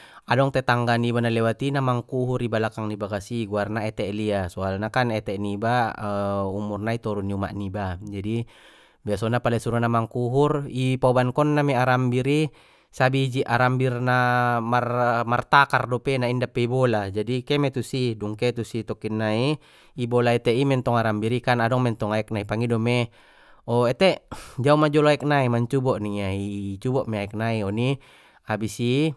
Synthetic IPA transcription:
adɔŋt̪ɛt̪aŋɡanibanalɛwat̪inamaŋkuɦuribalakaŋnibakasiɡuarnaɛt̪ɛʔliasɔalnakanɛt̪ɛʔniba | umurnait̪ɔɾuniuma̰ʔnibad͡ʒadi | biasɔnapalasuɾanamaŋkuɦuripaubankɔnːamɛaɾambiɾi | sabid͡ʒiʔaɾambirnamarmart̪akardɔpenaindapːeibɔlad͡ʒadikemet̪usiduŋket̪usit̪ɔkinːai | ibɔlaɛt̪eʔimɛnt̪ɔŋaɾambiɾikanadɔŋmɛnt̪ɔŋaɛk̚naipaŋidɔme | ɔet̪eʔd͡ʒaumad͡ʒɔloaik̚naimaɲt͡ʃubɔʔniait͡ʃubɔʔmeaɛk̚naiɔni | abisi

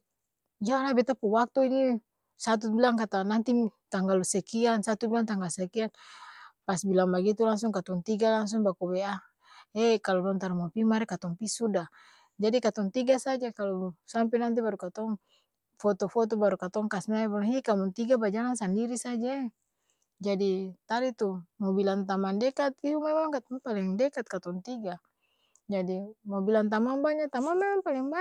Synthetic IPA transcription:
d͡ʒalabɛt̪apuwak̚t̪uini | sat̪̬ubilaŋkat̪anant̪it̪aŋɡalusɛkiansat̪ubilaŋt̪aŋɡalsɛkianpasbilaŋbaɡit̪ulaŋsuŋkat̪ɔŋt̪iɡalaŋs̬uŋbakuwɛa | ɛkalɔlɔnt̪aɾamapimaɾɛkat̪ɔŋpisuda | d͡ʒadikat̪ɔŋt̪iɡasad͡ʒakalɔsampɛnant̪̬ibaɾukat̪ɔŋ | fɔt̪ɔfɔt̪̬ɔbaɾukat̪ɔŋkasnaibalŋikamuŋt̪iɡabad͡ʒaɾansandiɾisad͡ʒa | d͡ʒadit̪aɾit̪umobilant̪amandɛkat̪iumɛmaŋkat̪ɔŋpalɛŋdɛkat̪̚kat̪ɔŋt̪iɡa | d͡ʒadimobilant̪amaŋbaɲat̪amanmɛmaŋpalɛŋba

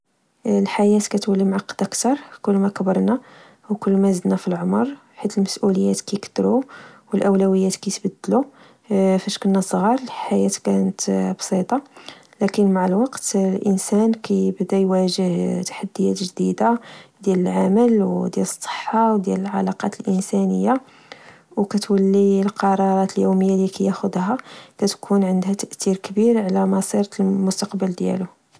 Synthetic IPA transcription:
lħajæt̪kæt̪wəlːimʕɑqːəd̪ʔəkt̪ɑɾˤkʊlːmækbəɾˤnæ | wkʊlːmæzəd̪næfilʕomɾˤ | ħit̪əlməsʔuləjːæt̪kæjkt̪ːɾuwəlʔəwlæwəjːæt̪kæjt̪bæd̪ːlu | fæʃkənːæsˤɣɑɾˤlħajæt̪kænət̪bsˤit̪ˤɑlækənmaʕəlwɑqt̪lʔənsænkæjbd̪æjwæʒəht̪ḁħad̪ːəjæt̪ʒd̪id̪ad̪jæləlʕaməlwd̪jæləsˤːə̥ħːɑwd̪jæləlʕɑ̰lɑqɑ̰t̪əlʔənsænəjːa | wkæt̪wəlːilqɑɾˤɑɾˤɑt̪əljuməjːalikæjæxʊd̪hækæt̪kʰunʕənd̪hæt̪æʔt̪iɾkbiɾʕlæmɑsˤiɾlmʊst̪ɑqbəld̪jæ̰lʊ

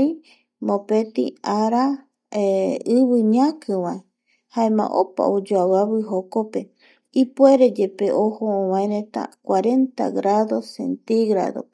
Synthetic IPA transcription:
i | mõpet̪ḭaɾa | eɨβɨɲãkɨwãe | haẽmã̰ʔopa̰od͡ʒoaβaβɨɦokope | ipweɾed͡ʒepeʔohoõwãẽɾẽt̪a̰kwaɾe̞nt̪a̰ɡɾaðosḛnt̪iɣɾa̰ðo̰

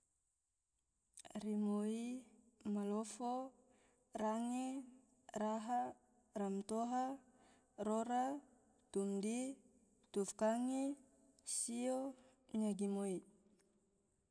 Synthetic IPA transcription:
rimoi | malofo | raŋe | raɦa | ramt̪oɦa | roɾa | t̪umdi | t̪ufkaŋe | sio | ɲaɡimoi

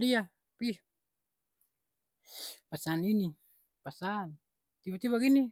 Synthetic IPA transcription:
dia | pi | pasanini | pasan | t̪ibat̪ibaɡini

